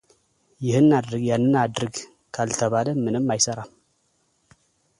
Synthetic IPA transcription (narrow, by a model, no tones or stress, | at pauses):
jɪhɨnːad̪ɾɨjanːɨnad̪ɾɨɡ | kʰalt̪ʰəβaləmɨnɨmːajsəɾam